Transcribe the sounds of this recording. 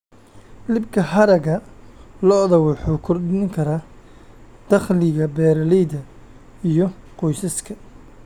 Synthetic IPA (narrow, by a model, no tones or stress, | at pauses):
lɪbkʰɐɦɐɾɐɣɐlɔðɐwʊħuːkʰɔrd̪ɪŋkʰɐɾa | d̪̥ɐχlɪɣɐbɛːɾɐlɛjdɐ | ijɔqɔjsɐskʰɐ